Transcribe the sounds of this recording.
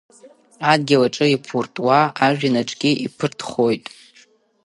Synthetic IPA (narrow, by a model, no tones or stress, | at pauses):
ad̚ɡʲilaʈ͡ʂʼɨipʰurtʼwaaʒᶣanaʈ͡ʂʼɡʲiʔipʰɨrtʰχo̞jtʼ